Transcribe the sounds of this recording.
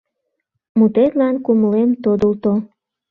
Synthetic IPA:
mut̪et̪lɑnkuməlemt̪od̪əlt̪o

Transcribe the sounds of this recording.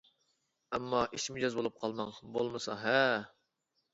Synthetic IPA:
ɛmːɑʔiʃmɪd͡ʒɑzbolˠup̚qʰɑlˠmɑŋbolˠmɨsɑɦɛ

